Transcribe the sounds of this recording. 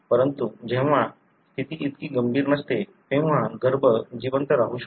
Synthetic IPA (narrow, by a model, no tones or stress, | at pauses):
pəɾənt̪ud͡ʑɛ̃ʋã | st̪ʰit̪iːt̪kiːɡəmbʱiːɾnəst̪et̪ẽʋ̤ãɡəɾbʱəd͡ʑiʋənt̪əɾaɦuɕ